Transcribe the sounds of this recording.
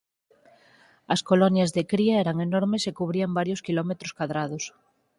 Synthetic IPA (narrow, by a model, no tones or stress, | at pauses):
askolonjazðekɾiaeɾaŋenoɾmesekuβ̞ɾiambaɾjoskilomet̪ɾoskwaðɾaðos